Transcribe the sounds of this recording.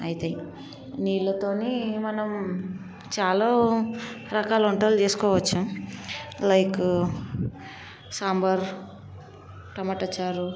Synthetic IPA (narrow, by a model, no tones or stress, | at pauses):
ɐjit̪ei | niːlːɐt̪oːnimɐnɐm | t͡ʃaːloː | ɾɐkaːluɳʈɐːlt͡ʃeːsu̥kɔːʋɐt͡ʃːu | lɐjk | saːmbɐɾ | ʈɐmaːʈɐt͡ʃːaːɾu